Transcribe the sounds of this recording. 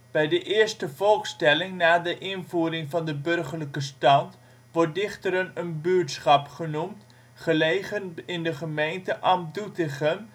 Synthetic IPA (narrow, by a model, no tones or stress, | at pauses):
b̥ɛjdəʔɪːəɹstəvɔlˠkstɛlɪŋnaːdəʔɪnvuːɾɪŋvɑndəbɵrχələkəstɑnt | ʋɔrt̚dɪχtəɾənənbyːtsχɑpχənumt | χəlejχənɪndəχəmejntəʔɑmdutɪχəm